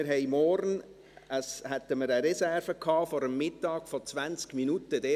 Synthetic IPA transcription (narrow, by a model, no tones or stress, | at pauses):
ɪɾɦɛɪmɔɾn | əshɛt̪əməɾəɾɛsɛrvəkʰhɑːfɔɾəmːɪtːɑːɡ̥fɔt͡sʋænt͡skminutəd̥̪ɛ